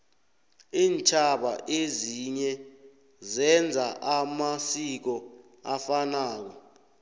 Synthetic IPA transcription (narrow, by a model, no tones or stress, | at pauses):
iːnt͡ʃʰʼaɓaʔeziɲɛ | zɛnd͡zʱaʔamasik̬ɔ | afanaːk̬ɔ